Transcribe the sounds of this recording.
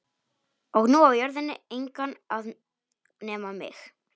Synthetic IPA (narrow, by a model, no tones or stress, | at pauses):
ɔɣnuawjœɾðɪnːɪejŋkanað | nɛːmamɪ̰x